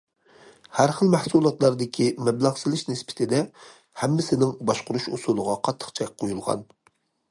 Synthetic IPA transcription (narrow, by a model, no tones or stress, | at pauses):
hæɾχəlˠmæhsulˠɑt̪lˠɑɾd̪ɪkʲʰimɛblæʁsɪlɪʃnɪspʰɪ̥t̪ʰɪd̪ɛ | hɛmːɪsɪnɪŋbɑʃqʊɾuʃusulˠʊʁɑqʰɑt̪ʰːə̥qt͡ʃʰɛk̚ʲqʰːojulˠʁɑ̰n